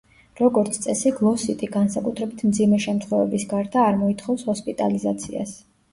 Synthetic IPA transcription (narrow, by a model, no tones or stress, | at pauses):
ɾɔɡɔɾt̪sʰt̪sʼɛsiɡlˠɔsit̪ʼiɡansakʼut̪ʰɾɛbit̪ʰmd̪zimɛʃɛmt̪ʰχɔvɛ̰bisɡaɾd̪aːɾmɔit̪ʰχɔfshɔspʼit̪ʼa̰lizat̪sʰḭa̰s